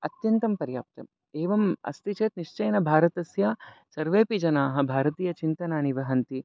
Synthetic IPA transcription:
ɐt̪jɐnt̪ɐmpɐɾja̰ːp̚t̪ɐ̰m | eːʋɐmɐ̰st̪it͡ʃeːt̪niʂt͡ʃɐjnɐbʱaːɾɐt̪ɐsjasɐɾʋeːpid͡ʒɐnaːɦɐ̆bʱaːɾɐt̪iːjɐt͡ʃint̪ɐnaːniʋɐɦɐnt̪i

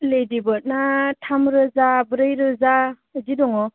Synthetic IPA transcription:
ledibɔt̚natʰamɾɯzabɯɾajɾɯza | zidɔŋɔ

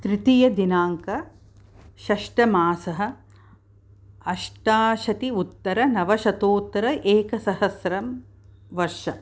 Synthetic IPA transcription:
t̪ɾɪt̪ijɐd̪inaːŋkɐ | ʃɐʂʈɐmaːsɐɦɐ̆ | ɐʃʈaːʃɐt̪iut̪ːɐɾɐnɐʋɐʃɐt̪oːt̪ːɐɾɐʔeːkɐsɐɦɐsɾɐm | ʋɐɾʃɐ

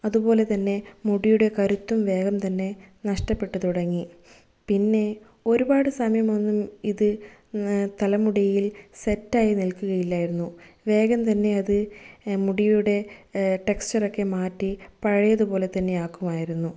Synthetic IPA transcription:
ɐðubo̞ːle̞t̪ɐnːe̞muɽijuɽe̞kɐɾut̪ːumʋe̞ːɣɐmt̪ɐnːe̞nɐʂʈɐpːe̞ʈːɨt̪uɽɐŋːi | pinːe̞ | o̞ɾubaːɽɨsɐmɐjɐmo̞nːumiðɨ | t̪ɐlɐmuɽɐjilsetːaːjinilkuɣɐjilːajiɾunːuʋe̞ːɡɐmt̪ɐnːe̞ɐðɨmuɽijuɽe̞ʈe̞kst͡ɕːɐro̞kːe̞maːtːipɐɻɐjɐðubo̞ːle̞t̪ɐnːe̞aːkːumaːjiɾunːu

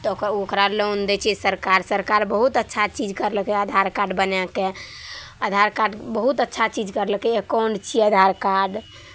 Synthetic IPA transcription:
t̪ɔokokɾalond̪ɛt͡ʃʰɛsəɾkaɾsəɾkaɾbəɦut̪ətːʃʰat͡ʃid͡ʒkəɾləkɛəd̪ʱaɾkaɖbənɛkẽ | əd̪ʱaɾkaɖbəɦut̪ətːʃʰat͡ʃid͡ʒkəɾləkɛekɔnt͡ʃʰiəd̪ʱaɾkaɖ

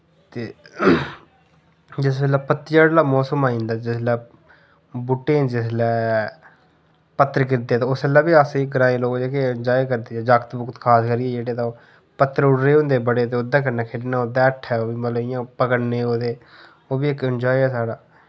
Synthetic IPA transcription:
t̪eː | d͡ʒɪsbɛlaːpət̪ɪjaːɽlaːmɔːsəmaːĩːnd̪aːd͡ʒɪslɛː | bʊʈːẽːd͡ʒɪslɛː | pət̪ːəɾkɪɾd̪eːt̪aːʊsɛːlːɛːbiːasĩːɡəɾaːĩːloːkd͡ʒeːkeənd͡ʒaːikəɾd̪iːaːd͡ʒakt̪bʊkt̪kʰaːskəɾiːɛːd͡ʒeːɽeːt̪ãː | pət̪ːəɾʊɽɾeːɦʊ̃nd̪eːbəɽeːt̪eːʊd̪aːk̬əɾnɛːkʰeːʈːnaːʊd̪aːʈʰːɛːoːbiːməlɪjãːpəkəɽneːoːd̪eː | oːbiːɪkənd͡ʒaːiɛːsaːɽaː

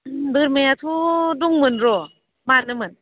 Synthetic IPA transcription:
bɯɾmejat̪ʰuduŋmɯnɾɔ | manɯmɯn

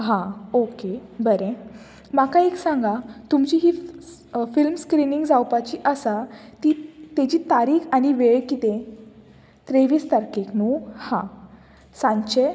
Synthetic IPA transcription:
ɦãokebəɾẽ | makaeksãŋɡat̪umt͡ɕiɦi | filmskɾiniŋɡd͡zawpat͡ɕiʔəsat̪it̪ed͡ʑiːt̪aɾiːkaɽ̃iʋeɭkit̪ẽ | t̪ɾeʋiːst̪aɾkeknuhã | sãɲt͡ɕe

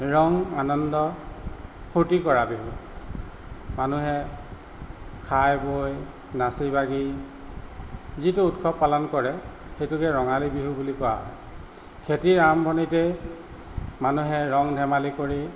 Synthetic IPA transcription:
ɹɔŋanɔndɔ | hʰutikɔɹabiɦu | manuɦɛ | kʰajboj | nasibaɡi | zituːtkʰɔpːalɔnkɔɹɛxejtukɛɹɔŋalibiɦubulikɔwa̰ɦɔ̰j | kʰetiɹambʱɔnitɛ | manuɦɛɹɔŋdʱɛmalikoɹi

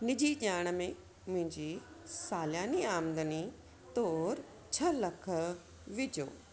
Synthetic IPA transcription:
nɪd͡ʑiʄaːɽ̃əmẽ | mʊ̃ɦɪ̃ɲd͡ʑi | saːljaːniaːmd̪əni | t̪oːɾ | t͡ɕʰɐlɐkʰə | ʋɪd͡ʑo̰ː

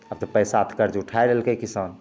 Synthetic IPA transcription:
əb̚t̪ɔpəjsat̪ʰkəɾd͡ʒeʊʈʰaeɾɛɦlkekisaːn

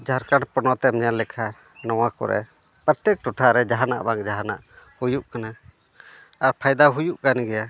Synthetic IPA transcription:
d͡ʒʱaɾkaɽpɔnɔt̪ɛmɲanlɛkʰa | nɔwakɔ̰ɾɛ̰ | pɾət̪ɛk̚ʈuʈʰaɾɛd͡ʒaɦana̰ʔbaŋd͡ʒaɦana̰ʔ | hujuʔkana | aɾpʰajd̪aɦujuʔkanɡɛja

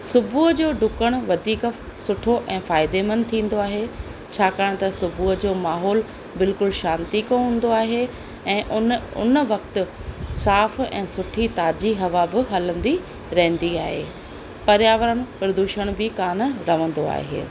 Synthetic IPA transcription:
sʊbʱuːɦəd͡ʑoːɖʊkəɽ̃ʋɐd̪ʱiːk | sʊʈʰoʔɛ̃ːfaːɪd̪emənt̪ʰĩːn̆d̪oaːɦe | t͡ɕʰaːkaːɽ̃̆t̪ɐsʊbʱuːɦəd͡ʑoːmaːɦɔːl | bɪlkʊlʃaːnt̪ikoɦũːn̆d̪oaːɦe | ɛ̃ːʔʊnʊ̰nəʋɐkt̪ɪ̆saːfɛ̰̃ːsʊʈʰit̪aːd͡ʑiɦɐʋabɪɦɐlə̃nd̪i | ɾɐɦɪ̃nd̪ia̰ːɦḛː | pɐɾjaːʋəɾəɽ̃pɐɾd̪uːʃəɽ̃bɪkaːnɾɐʋə̃n̆d̪oa̰ːɦḛː

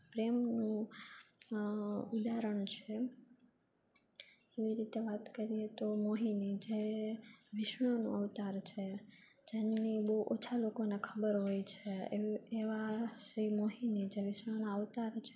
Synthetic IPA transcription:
pɾemnũ | ud̪aɾəɳ̃t͡ʃʰe | eʋiɾit̪eʋat̪kəɾiet̪omoɦinid͡ʒe | ʋɪʃɳonṵ̃əʋt̪aɾt͡ʃʰe | d͡ʒenibəɦuʔot͡ʃʰalokonekʰəbəɾɦojt͡ʃʰeː | ʋaʃɾimoɦinid͡ʒeʋɪʃɳonaəʋt̪aɾt͡ʃʰe

